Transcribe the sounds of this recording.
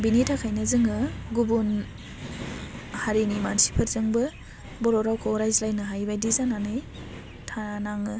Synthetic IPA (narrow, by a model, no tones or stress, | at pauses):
binitʰakʰajnɯzɯŋɯɡubun | haɾinimansi̥pʰɯɾzɯŋbɯ | bɔɾɔɾawkʰoɾajzlajnɯɦajbajdizananɯj | tʰaɾanaŋɯ